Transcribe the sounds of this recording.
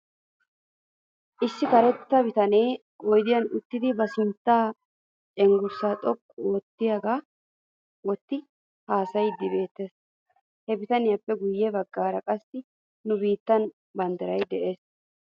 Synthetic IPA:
ʔɪsːɪkɐɾɛt̪ːɐbɪt̪ɐne̞ː | ʔɔjd̪ɪjɐnʊt̪ːɪd̪ɪbɐsɪnt̪ːaː | t͡ʃʼɛŋɡʊɾsaːt̪ʼɔkʼːoːt̪ːɪjaɡaː | wɔt̪ːɪ | haːsɐjd̪ɪbe̞ːt̪ːeːs | hɛbɪt̪ɐnɪjɐpːɛɡʊjːɛbɐɡːaːɾɐkʼɐsːɪ | nʊbiːt̪ːɐn | bɐnd̪ɐɾɐjd̪ɛʔe̞ːs

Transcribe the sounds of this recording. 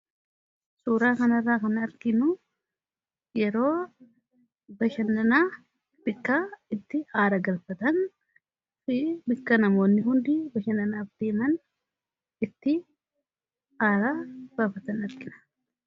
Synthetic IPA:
suːɾaːkɐnɐrːaːkɐnɐɾɡɪnʊ | jɛɾo̞ː | bɐʃɐnːɐnaː | b̥ɪkːaɪt̪ːɪhaːɾɐɡɐlfɐt̪ɐn | fɪbɪkːɐnɐmo̞ːnːɪɦʊnd̪ɪbɐʃɐnɐnaːfd̪̥eːmɐn | ɪt̪ːɪ | haːɾabaːfɐt̪ɐnɐɾɡɪnɐ̥

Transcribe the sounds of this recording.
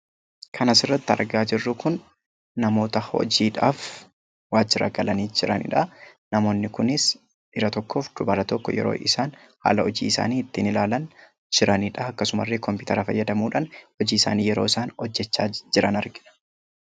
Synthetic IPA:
kʰɐnɐsɪrːɐt̪ːɪɐ̰ɾɡaːd͡ʒɪrːʊkʊnː | ɐmo̞ːt̪ɐhɔ̰d͡ʒiːᶑaːf | waːd͡ʒɪɾɐ̰ɡɐlɐniːd͡ʒɪɾɐ̰nɪ̰ᶑɐnɐmo̞ːnːɪkʊnɪs | ʔɪɾɐt̪ɔkːo̞ːfd̪̥ʊbɐɾɐt̪ɔkːɔ̰jɛ̰ɾo̰ːʔɪsaːn | ha̰ːlɐɔd͡ʒḭːɪsa̰ːniːɪt̪ːiːnɪlaːlɐn | d͡ʒɪɾɐniᶑɐɐkːɐsʊmɐ̰rːeːkɔmpɪʊːt̪ʰɐɾɐfɐ̰jːɐd̪ɐmuːᶑɐnhɔd͡ʒiːɪsa̰ːniːjɛɾo̞ːɪsaːnɔd͡ʒːɛt͡ʃːaːd͡ʒɪɾɐnɐɾɡɪᶑɐ̥

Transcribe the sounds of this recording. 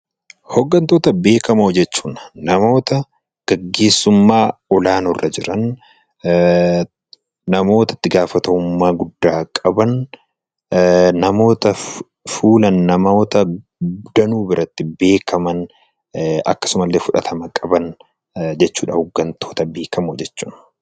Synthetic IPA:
hɔɡːɐnt̪o̞ːt̪ɐbe̞ːkɐmoːd͡ʒɛt͡ʃːuːnnɐmo̞ːt̪ɐ | ɡ̥ɐɡːe̞ːsːʊmːaːɔlaːnɔrːɐd͡ʒɪɾɐn | nɐmo̞ːt̪ɐ̥t̪ːɪɡaːfɐt̪ɐʊmːaːɡʊd̪ːaːkʼɐbɐn | nɐmo̞ːt̪ɐ | fuːlɐnːɐmoːt̪ɐ | d̪ɐnuːbɪɾʔɐt̪ːɪbe̞ːkʰɐmɐn | ɐkːɐ̥sʊmɐlːe̞ːfʊᶑɐt̪ʰɐmɐkʼɐbɐn | d͡ʒɛt͡ʃːuːᶑɐhʊɡːɐnt̪ʰo̞ːt̪ɐbe̞ːkɐmoːd͡ʒɛt͡ʃːuːn

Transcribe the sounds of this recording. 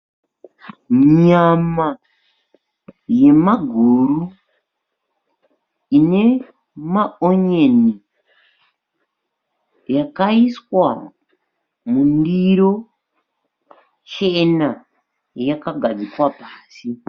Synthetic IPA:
muɲama | je̞maɡʱuru | ine̞ | maoɲeni | jakaiswa | mundiɾo̞ | t͡ʃe̞na | jakaɡʱad͡zikwapaːsi

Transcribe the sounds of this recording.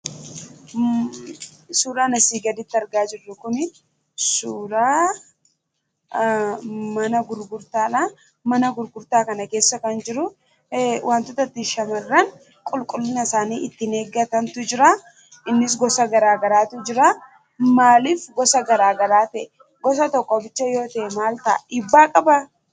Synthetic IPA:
suːɾaːnɐsiːɡɐd̪ɪt̪ːɐɾɡaːd͡ʒɪrːʊkʊnɪt | suɾaː | mɐnɐɡʊɾɡʊɾt̪aːᶑaː | mɐnɐɡʊɾɡʊɾt̪aːkɐnɐke̞ːsːɐkɐnd͡ʒɪɾʊ | wʔaːnt̪ʊt̪ɐt̪ːɪʃɐmɐrːɐn | kʼʊlkʼʊlːɪnɐsaːniːʔɪt̪ːɪneːɡɐt̪ɐnt̪ʊd͡ʒɪɾa | ɪnːɪs̬ɡɔsɐɡɐɾaːɡɐɾaːt̪ʊd͡ʒɪɾa | maːlɪfɡɔsɐɡɐɾaːɡɐɾaːt̪ɐʔɛ | ɡɔs̬ɐt̪ɔkʼːɔbɪt͡ʃːɐjo̞ːt̪ɐʔɛmaːlt̪ɐʔɪbːaːkʼɐbɐ

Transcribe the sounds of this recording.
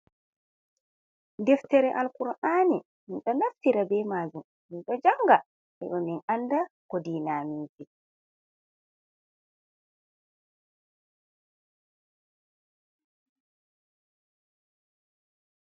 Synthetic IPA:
dɛftɛɾɛʔalkuɾaʔaːni | minɗɔnaftiɾabɛːmaːd͡ʒum | minɗɔd͡ʒaŋɡa | ʔɛɗɔminandakɔdiːnaːmiːd͡ʒi

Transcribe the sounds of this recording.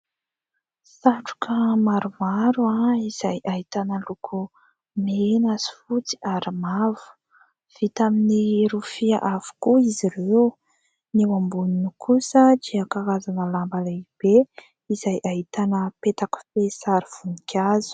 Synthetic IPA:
saʈ͡ʂu̥kʰəmaɾumaɾuaiz̥ajʔaɦit̪anəlukʰu | menazi̥fut͡si̥aɾimavu̥ | v̥it̪aminiɾufiaʔav̥u̥kuiziɾew | niwambuninukʰusəd̪iəkaɾazanəlambalab̥e | izajʔaɦit̪anəpet̪aku̥fesaɾiv̥unikʰʲazu̥

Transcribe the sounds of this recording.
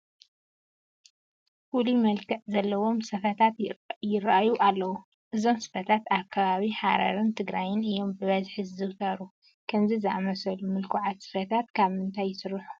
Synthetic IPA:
fulimɐlkʰɐʔzɐlːɐwo̞msɐfɐt̪ʰat̪jɪɾʔajuʔalːɐwu | ʔɨzo̞msɨ̥fɐt̪ʰat̪akʰːɐβaβiħaɾa̰ɾɨnt̪ʰɨɡɾajɪnɨjːo̞mbɨβɐzħɨzɨwt̪ʰɐɾu | kʰɐmzizɨʔamɐsɐlumɨlkʰuʕat̪sɨ̥fɐt̪ʰat̪kʰaβmɨnt̪ʰajːɪsɨɾɨħu̥

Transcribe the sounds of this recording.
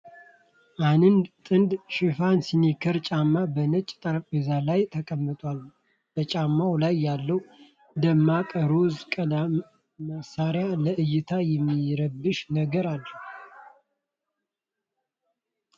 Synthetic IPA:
ʔanɨnd̪t̪ʼɨnd̪ʃɪfansinikʰəɾt͡ʃʼamːabənət͡ʃʼːt̪ʼəɾpʼezalajt̪ʰəkʼəmːɨt̪ʰʼwal | b̥ət͡ʃʼamːawlajːalːəw | d̪əmːakʼəɾozkʼəd̪a | məsaɾjaləʔɨjːɪt̪ʰajɛmːiɾəbːɨʃnəɡəɾalː

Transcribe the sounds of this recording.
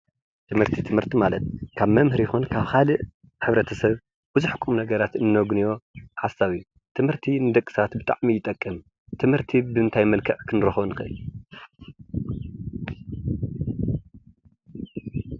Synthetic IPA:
t̪ʰɨmhɨɾt̪ʰit̪ʰɨmhɨɾt̪ʰimalɐt̪̚kʰaβmɐmhɨɾjɪxunkʰaβxalɨʔ | ħɨβɾɐt̪ʰɐsɐβ | b̥ɨzuħɨkʼːumnɐɡɐɾat̪ɨnːoɡnijo̞ħasaβɨjːu | t̪ʰɨmhɨɾt̪ʰinɨd̪ɐkʼːɨ̥sat̪bɨt̪ʼa̰ʕmijɪt̪ʼɐkʼːɨm | t̪ʰɨmhɨɾt̪ʰibɨɨnt̪ʰajmɐlkʰɐʕkʰɨnɾɐxβnɨxɐʔɨ̰j

